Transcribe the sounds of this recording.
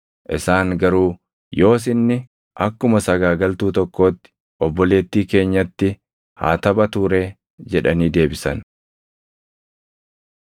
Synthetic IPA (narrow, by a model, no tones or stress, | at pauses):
ʔɪsaːŋɡɐɾuː | jo̞ːs̬ɪnːɪ | ʔɐkːʊmɐsɐɡaːɡɐlt̪uːt̪ɔkːo̞ːt̪ːɪ̥ | ʔɔbːɔle̞ːt̪ːiːke̞ːɲːɐt̪ːɪ | ha̰ːt̪ɐbɐt̪ʊɾe̞ː | d͡ʒɛᶑɐniːd̪e̞ːbɪsɐn